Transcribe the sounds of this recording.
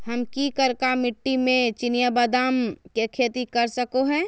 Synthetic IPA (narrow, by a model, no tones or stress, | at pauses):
ɦɐmkikəɾkamɪʈːimẽt͡ʃɪnijabad̪aːmkekʰeːt̪ikɐɾsəkoɦɛ̃ː